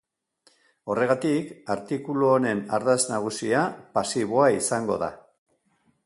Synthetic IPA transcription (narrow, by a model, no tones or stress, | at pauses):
o̞re̞ɣ̞at̪ikaɾt̪ikuluone̞naɾðaznaɣ̞usiapasiβo̞aisaŋɡo̞ða̰